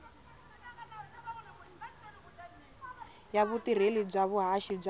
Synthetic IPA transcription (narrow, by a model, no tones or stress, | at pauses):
jaβut̪iɾ̤elib͡ʐaβuɦaʃib͡ʐ